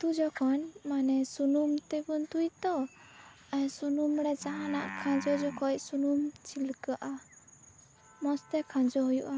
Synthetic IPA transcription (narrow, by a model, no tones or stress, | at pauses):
t̪ud͡ʒɔkʰɔnmanɛsunumt̪ɛbunt̪ujt̪ɔ | ajsunumɾɛd͡ʒaɦanaʔkʰãd͡ʒɔd͡ʒɔkʰɔjsunumt͡ʃʰilkaʔa | mɔst̪ɛkʰãd͡ʒɔɦujuʔa